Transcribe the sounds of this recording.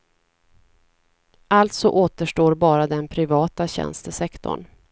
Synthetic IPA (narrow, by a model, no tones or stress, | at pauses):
ʔalt̪sɔʔoːt̪əʂʈoːɾbɑːɾad̪ɛnpʰɾɪvɑːt̪aɕɛ̰nst̪əsɛkt̪ʰɔ̰ɳ